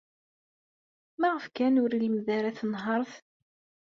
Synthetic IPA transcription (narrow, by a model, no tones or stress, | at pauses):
mæʁəfkænʊɾiləmðæɾæθnɦəɾˤθ